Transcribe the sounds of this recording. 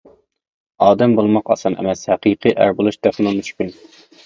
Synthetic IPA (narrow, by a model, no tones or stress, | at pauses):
ɑːd̪ɛmbolˠmɑqɑ̰sɑnɛ̰mɛshæqʰiqʰɨʔæ̰ɾbolˠuʃd̪æχnɨmyʃkʲyn